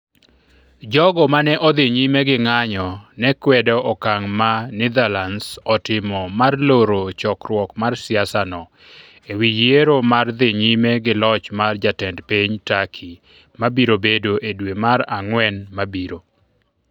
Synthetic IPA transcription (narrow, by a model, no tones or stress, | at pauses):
d͡ʒɔɡɔmanɛʔɔd̪ɪɲimeɡɪŋaɲɔnɛkwɛdɔʔɔkaŋmanɪd̪alansɔtɪmɔmarloɾot͡ʃɔkɾwɔkmarsɪasanɔ | ewijeɾomard̪ɪɲimeɡɪlɔt͡ʃmard͡ʒatɛndpiɲtakʰi | mabiɾobedoʔedwemaɾaŋwɛnmabiɾo